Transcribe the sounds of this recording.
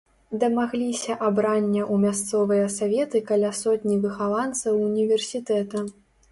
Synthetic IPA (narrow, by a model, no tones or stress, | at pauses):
d̪ɐmaɣlʲisʲɐʔabɾanʲːɐʔumʲas̬t̪sɔvɨjɐsavʲɛt̪ɨkalʲasɔt̪ʲnʲivɨxalˠant̪sɐwunʲivʲɛrsʲit̪ɛt̪ɐ